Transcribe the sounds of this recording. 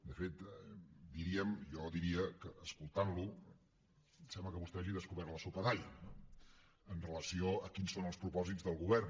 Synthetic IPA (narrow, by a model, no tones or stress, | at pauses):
d̪əfet̪d̪iɾiəmjɔd̪iɾiəkəʔəskulˠt̪anlu | sɛmbləkəβust̪ɛaʒiðəskuβɛɾt̪ləsupəðaʎə | ənrələsioəkinsonəlˠspɾupɔzidd͡zðəlˠɣuβɛr